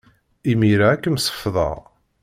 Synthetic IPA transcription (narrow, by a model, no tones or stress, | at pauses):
imiɾaːkːəmsə̥fðˤɑ̰ʁ